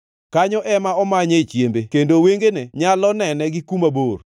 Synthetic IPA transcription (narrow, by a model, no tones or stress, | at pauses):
kaɲɔʔɛmaɔmaɲet͡ʃjembekendoweŋɡeneɲalɔnɛnɛɡɪkumabor